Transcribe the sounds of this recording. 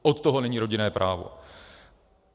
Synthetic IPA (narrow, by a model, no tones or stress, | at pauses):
ʔot̪t̪oɦo̞nɛɲiːɾo̞ɟɪnɛːpɾʔaːvo̞̰